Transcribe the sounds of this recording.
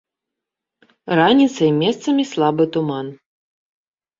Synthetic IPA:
ranʲit̪sɐimʲɛst̪sɐmʲislˠabɨt̪uman

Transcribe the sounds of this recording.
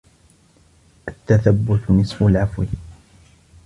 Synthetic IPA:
ʔat̪ːaθabːʊt̪nɪsˤfʊlʕafwi

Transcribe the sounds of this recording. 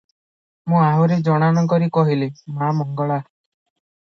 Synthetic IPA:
mũaɦuɾed͡ʒɔɽ̃anɔkɔɾikɔɦilimamɔŋɡɔɭa

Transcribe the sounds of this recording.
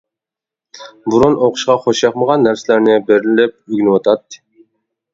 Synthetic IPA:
buɾunoqʰʊ̥ʃqɑχoʃjɑqməʁɑnːæɾsɪlæɾnɪbeɾlɪlɪp̚yɡʲnɪwɑt̪ʰɑt̪ːɨ̥

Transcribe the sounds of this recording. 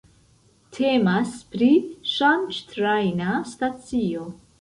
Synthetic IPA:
tʰemaspɾiʃant͡ʃtɾajnastat͡sio

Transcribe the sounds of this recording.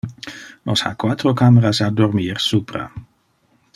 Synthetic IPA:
nɔsha̰kwat̪ɾokameɾasad̪ormiːrsuːpɾa̰

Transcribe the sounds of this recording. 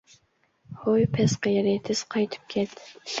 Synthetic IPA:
hojpʰɛsqəjɾet̪ʰɪz̥qʰɑjt̪ʰɨ̥p̚kʲʰɛt̪

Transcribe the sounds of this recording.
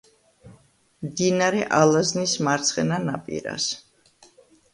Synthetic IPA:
md̪inaɾɛʔalˠaznismaɾt̪sʰχɛnanapʼḭɾa̰s

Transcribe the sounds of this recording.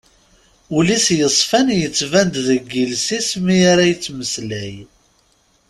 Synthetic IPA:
ulisjəsˤfænjət͡sːvænd̪ðəɡːilsismiaɾajət͡sːməslæj

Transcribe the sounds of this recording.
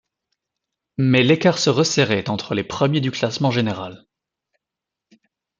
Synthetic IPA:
mɛlekaʁsəʁəseʁɛt̪ɑ̃t̪χəlepχəmjed̪yklasmɑ̃ʒeneʁal

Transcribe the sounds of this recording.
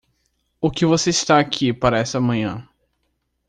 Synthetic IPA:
ʊkɪvoseist̪aːkʰipaɾɐɛsɐmɐ̃ɲɐ̰̃

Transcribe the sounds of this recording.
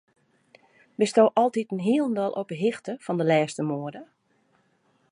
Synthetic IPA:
bɪstoːʔɔlˠtitənɦiəlˠəndɔlˠʔo̰pəɦixtəfɔndəlɛːstəmoːədə

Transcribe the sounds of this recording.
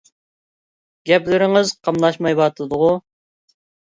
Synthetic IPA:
ɡ̥ʲɛplɪɾɪŋɨzqʰɑmlˠɑʃmɑjbɑt̪ʰlɨd̪ʊʁʊ

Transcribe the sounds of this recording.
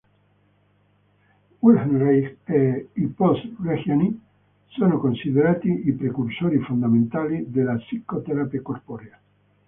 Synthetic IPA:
wulhenrijkeiposrexjani | sonokonsiðeɾaːt̪iipɾekursoɾifund̪amẽnt̪alid̪elasikot̪eɾapekorpoɾea

